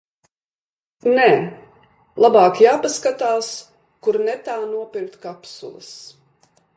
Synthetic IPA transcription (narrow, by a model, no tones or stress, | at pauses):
nɛː | lˠabaːkjaːpaskat̪aːs | kuɾnɛt̪aːnuɔpʲiɾk̚t̪kapsṵlˠɨ̰s